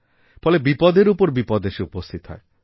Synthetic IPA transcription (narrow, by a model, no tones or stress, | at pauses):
fɔlebipɔd̪eɾupɔɾbipɔd̪eʃeupost̪ʰit̪ɔɦɔe